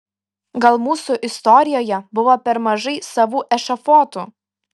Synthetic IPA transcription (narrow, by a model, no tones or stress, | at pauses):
ɡɐlˠmuːsuʔɪst̪ɔɾʲɪjoːjɛbʊʋoːpʲɛɾmɐʒɐɪsɐʋuːʔɛʃɐfoːt̪uː